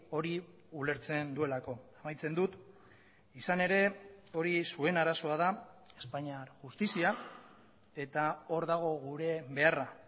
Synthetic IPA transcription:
o̞ɾi | ule̞ɾt͡se̞nd̪ue̞lako̞amajt͡se̞nd̪ut̪ | isane̞ɾe̞o̞ɾisue̞naɾaso̞að̞ae̞spaɲaɾʝust̪isia | e̞t̪ao̞ɾðaɣ̞o̞ɣuɾe̞βe̞ara

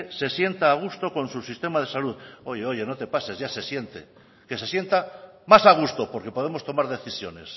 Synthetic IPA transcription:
se̞sje̞nt̪aːɣ̞ust̪o̞ko̞nsusist̪e̞mað̞e̞saluðo̞ʝe̞o̞ʝe̞no̞t̪e̞pase̞zʝase̞sje̞nt̪ḛ | ke̞se̞sje̞nt̪amasaɣ̞ust̪o̞po̞ɾke̞po̞ð̞emost̪o̞maɾðe̞θisjo̞ne̞s

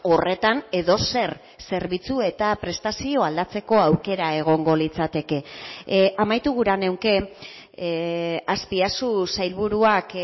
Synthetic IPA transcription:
o̞re̞t̪ane̞ðo̞se̞r | se̞ɾβit͡sue̞t̪apɾe̞st̪asio̞ald̪at͡se̞ko̞awke̞ɾae̞ɣ̞o̞ŋɡo̞lit͡sat̪e̞ke̞ | amajt̪uɣ̞uɾane̞wŋke̞ | aspiasusajlβuɾuak

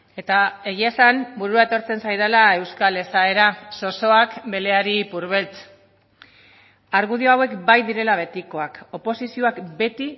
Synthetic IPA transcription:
e̞t̪ae̞ɣ̞iaesambuɾuae̞t̪o̞ɾt͡se̞nsajðelae̞wskale̞sae̞ɾaso̞so̞akbe̞le̞aɾipuɾβ̞e̞lt͡s | aɾɣuð̞io̞awe̞kbajðiɾe̞laβ̞e̞t̪iko̞ako̞po̞sisio̞akbe̞t̪i

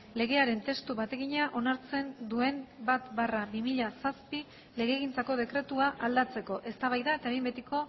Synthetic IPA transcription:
le̞ɣ̞e̞aɾe̞nt̪e̞st̪uβat̪e̞ɣiɲaʔo̞naɾt͡se̞nd̪ue̞mbat̪barabimiʎasaspi | le̞ɣeːɣ̞int͡sako̞ð̞e̞kɾe̞t̪uaʔald̪at͡se̞ko̞ʔe̞st̪aβajðae̞t̪aeembet̪iko̞

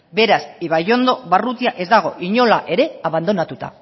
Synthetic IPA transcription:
be̞ɾasiβajo̞nd̪o̞βarut̪iaʔe̞zd̪aɣ̞o̞ʔiɲo̞laʔe̞ɾe̞aβand̪o̞nat̪ut̪a̰

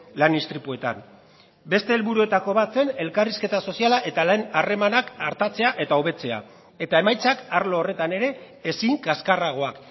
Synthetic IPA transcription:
lanist̪ɾipue̞t̪a̰n | be̞st̪e̞ːlβuɾue̞t̪ako̞βat͡se̞ne̞lkariske̞t̪aso̞sialaʔe̞t̪alenare̞manakaɾt̪at͡se̞aʔe̞t̪auβe̞t͡se̞a̰ | e̞t̪ae̞majt͡sakaɾlo̞ːre̞t̪ane̞ɾe̞ː | siŋkaskaraɣ̞o̞ak

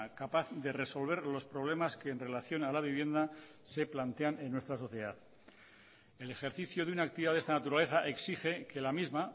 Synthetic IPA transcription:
kapaθðe̞re̞so̞lβ̞e̞ɾlo̞spɾo̞β̞le̞maske̞ːnre̞laθjo̞nalaβ̞iβ̞je̞nd̪a | se̞plant̪e̞ane̞nːwest̪ɾaso̞θje̞ðaθ | e̞le̞xe̞ɾθiθjoðeunak̚t̪iβðaðest̪anat̪uɾale̞θaʔe̞ksixe̞ke̞lamizma

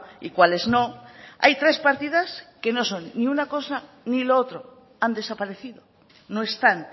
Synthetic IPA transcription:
ḭkwale̞zno̞a̰jt̪ɾe̞spaɾt̪iðaske̞no̞so̞nːiunako̞sa | niloot̪ɾo | and̪e̞sapaɾeθiðo̞ | noest̪an

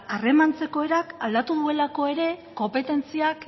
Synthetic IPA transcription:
are̞mant͡se̞ko̞e̞ɾakald̪at̪uðue̞lako̞e̞ɾe̞ko̞mpe̞t̪e̞nt͡siak

